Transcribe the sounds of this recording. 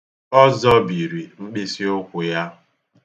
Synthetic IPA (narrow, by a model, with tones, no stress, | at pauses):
ɔ˦zɔ˦bi˨ɾi˨ŋ͡m̩˦k͡pi˦si˦o˦kʷʊ˨ja˦